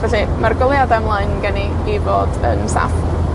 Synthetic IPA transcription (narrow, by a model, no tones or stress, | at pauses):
vɛɬimarɡwɪlˠjadɛmlˠaɨnɡɛni | ivoːdə̰nsa̰f